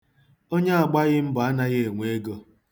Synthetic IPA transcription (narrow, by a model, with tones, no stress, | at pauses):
o˦ɲa˦a˨ɡ͡ba˦ɣɪ˦m̩˦ba˨a˦na˦ɣe˦˨ŋʷe˦ɡo˦